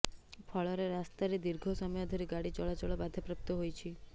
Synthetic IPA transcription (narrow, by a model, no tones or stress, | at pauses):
pʰɔɭɔɾeɾast̪aɾid̪iɾɡʱosɔmɔjɔd̪ʱɔɾiɡaɽit͡ʃɔɭat͡ʃɔɭɔbad̪ʱepɾəp̚t̪oɦojt͡ʃʰi